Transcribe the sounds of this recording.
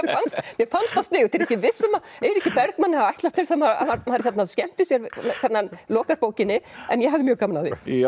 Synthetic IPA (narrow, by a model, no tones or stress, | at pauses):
fanst̪mjɛfanst̪ast̪ɪːɣʏt̪ʰɛɾɛhcːɪvɪsːʏmaɛjɾɛhcːɪpɛɾt̪manːɪhavajt̪last̪ʰɪlsɛmaa̰aɾmaɾçɛt̪naðscɛm̥t̪ʏsjɛɾɛkʰɛɾt̪nanlɔːkaspowcɪnːɪɛ̰njɛhɦavðɪmjœːɣkamalaðɪ̰